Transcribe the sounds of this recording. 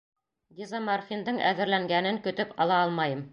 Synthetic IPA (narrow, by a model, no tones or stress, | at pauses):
d̪ʲizamɑrfʲind̪ɤɴʔæ̰ðɘ̆ɾlæŋɡænɘŋkɵ̆t̪ɵpɑ̰lˠɑɑlˠmɑjɤm